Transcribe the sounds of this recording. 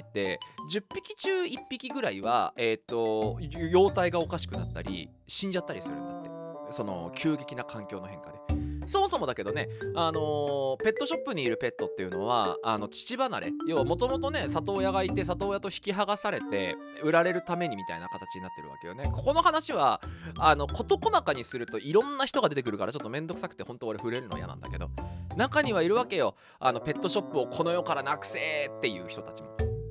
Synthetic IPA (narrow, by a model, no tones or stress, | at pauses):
t̪ːe̞d͡ʑɨpʲːikʲit͡ɕɨːipʲːikʲiɡɯ̟ɾaiβa̰e̞t̪ːo̞jo̞ːt̪aiɡao̞kaɕi̥kɯ̟na̰t̪ːa̰ɾʲḭ | ɕĩɲ̟d͡ʑat̪ːaɾʲisɨɾɯ̟̰̃nd̪at̪ːe̞so̞no̞̰kʲɨːɡe̞kʲinakʰãŋkʲo̞ːno̞ɦẽ̞ŋkad̪e̞so̞mo̞so̞mo̞d̪ake̞d̪o̞ne̞ano̞pe̞t̪ːo̞ɕo̞pːɯ̟ɲ̟iːɾɯ̟pe̞t̪ːo̞t̪ːe̞jɯ̟no̞β̞a̰a̰no̞t͡ɕi̥t͡ɕibanaɾe̞̰jo̞ːβamo̞t̪o̞mo̞t̪o̞ne̞sat̪o̞ːjaɡait̪e̞s̬at̪o̞ːjat̪o̞çi̥kʲiɦaɡasaɾe̞t̪e̞̰ | ɯ̟ɾaɾe̞ɾɯ̟t̪ame̞ɲ̟imʲit̪a̰inakat̪at͡ɕiɲ̟inat̪ːeɾ̟βa̰ke̞jo̞̰ne̞ko̞ko̞no̞hanaɕiβ̞aano̞ko̞t̪o̞ko̞nakaɲ̟isɨɾɯ̟t̪o̞ʔiɾõ̞nːaçi̥t̪o̞ɡad̪e̞t̪ek̬ɯ̟ɾɯ̟kaɾat͡ɕo̞t̪ːomẽ̞nd̪o̞kɯ̟sakɯ̟̥t̪ehõ̞nt̪oːɾeɸɯ̟ɾe̞ɾɯ̟no̞a̰ja̰nã̰nd̪a̰ke̞d̪o̞̰nakaɲ̟iβ̞aiɾɯ̟βake̞jo̞ | a̰no̞pe̞t̪ːo̞ɕo̞pːɯo̞kʰo̞no̞jo̞kaɾanakɯ̟̥seːt̪ːe̞jɯ̟̰ːçi̥t̪o̞t̪at͡ɕimo̞̰